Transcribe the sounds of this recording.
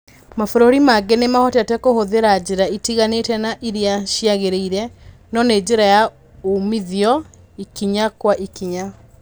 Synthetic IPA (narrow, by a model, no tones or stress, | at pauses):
mafoɾoɾimaɡɛnemahɔtatɛkohoðeɾad͡ʑeɾaitiɣanetɛnaʔiɾiaʃiaɣeɾeiɾɛnɔned͡ʑeɾaja | omiðiɔ | ikiɲakwaʔikiɲa